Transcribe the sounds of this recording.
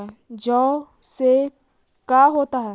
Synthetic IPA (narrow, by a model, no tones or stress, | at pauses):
ɛd͡ʒɔː | se | kaɦoːt̪aɦɛ